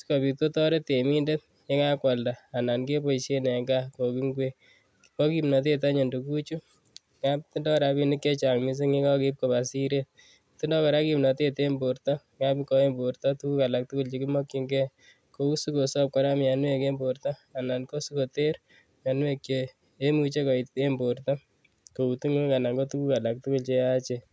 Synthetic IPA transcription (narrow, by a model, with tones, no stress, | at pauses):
skɔ˨bi˨k̚to˦tɔ˦ɾe˦te˨mi˦nde˦t̚ | ɲe˦ŋa˦kwɔ˨lda˨a˨na˨nke˦po˨isje˦nɛ˨ŋɡa˦ko˨ki˦ŋɡwe˦ | kipɔ˦kimnɔ˨t̬e˦t̬a˦ɲe˨ndo˨ku˦t͡ʃu˦ | ŋapti˦ndɔ˦ɾa˧bi˦nɪ˦kje˦t͡ʃa˨ŋmi˦s̬e˦ŋe˦ka˦ki˦p̚ko˨ba˨si˦ɾet̪̚ | tɪ˦ndɔ˦ka˨ɾa˦kimnɔ˨te˦te˦mbo˨ɾtɔ˦ŋa˦bikɔ˦e˦mbo˨ɾt̪ɔ˦tu˦ku˦ka˨la˨k̚tu˦ku˦lt͡ʃi˦ki˦mɔ˦kːi˦ŋɡɛ˦ | ko˦u˦su˦ko˨sɔ˦p̚kɔ˦ɾa˦mja˨nwe˨ke˦mbo˨ɾt̪ɔ˦ | a˨na˨nko˦su˦ko˨te˦ɾ | ja˨nwe˦kt͡ʃeː˦ | mu˦t͡ʃe˦kɔ˨i˨te˦mbo˨ɾt̪ɔ˦ | ko˨u˨tu˦ŋe˦ka˨na˨ŋɡo˦tu˦ku˦ka˨la˨k̚tu˦kʊ˦lt͡ʃea˦t͡ʃe